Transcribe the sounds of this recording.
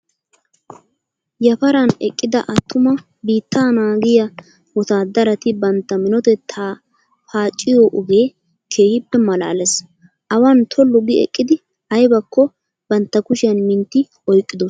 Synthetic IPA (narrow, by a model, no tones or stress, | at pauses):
jɐpɐɾɐnɛkʼːɪd̪ɐ̰ʔɐt̪ʰːʊmɐ | biːt̪ːaːnaːɡɪjɐ | wɔt̪aːd̪ɐɾɐt̪ɪbɐnt̪ːɐmɪnɔt̪ɛt̪ʰːa | faːt͡ʃʼːɪjoʔʊɡe̞ː | kʰe̞ːhɪbːɛmɐla̰ːlɛs | ʔɐwɐnt̪ʰɔlːʊɡɪɛ̰kʼːɪd̪ɪ | ɐjbɐkʰːɔ | bɐnt̪ːɐkʊʃɪjɐnmɪnt̪ːɪ | ɔjkʼːɪd̪ɔs